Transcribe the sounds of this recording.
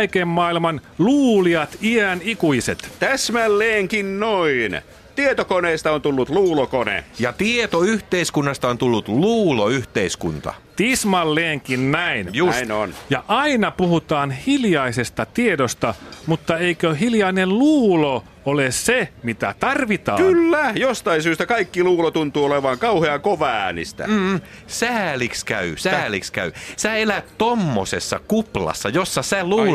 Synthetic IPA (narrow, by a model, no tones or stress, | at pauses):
ikemmɑːilmɑnluːliɑt̪iænikuiset̪t̪æsmælːeːŋkinnoin | t̪iet̪okoneːst̪ɑont̪ulːut̪luːlokonḛjɑt̪iet̪oyht̪eiskunːɑst̪ɑont̪ulːut̪luːloyht̪eiskṵnt̪ɑ̰t̪ismɑlːeːŋkinnæinjuino̰njɑʔɑinɑpuhut̪ɑːnhiljɑisest̪ɑt̪iedost̪ɑmut̪ːɑeikøhiljɑinelluːlo | olessemit̪æ̰t̪ɑrʋit̪ɑːkylːæjost̪ɑinsyːst̪ækɑikːiluːlot̪unt̪uːoleʋɑːŋkɑuheɑkoʋæˑːænḭst̪æ̰ | sæːlikskæysææːlikskæ̰ysæːelæt̪t̪omːo̰sḛsːɑ̰kuplɑ̰sːɑjosːɑsæluː